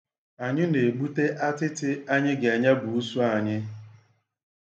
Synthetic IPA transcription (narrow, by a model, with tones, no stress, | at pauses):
a˨ɲɪ˦ne˨ɡ͡bu˦te˦ʔa˦tɪ˦tɪ˦a˦ɲɪ˦ɡe˨a˨ɲa˦bu˨u˦su˦a˨ɲɪ˦